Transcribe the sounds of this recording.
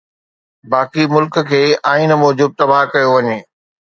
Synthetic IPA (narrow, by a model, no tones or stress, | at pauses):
baːkimʊlkə̆kʰeːaːinmɔːd͡ʑuːb̪̚t̪ɐbaːɦkɐjoʋɐɲeː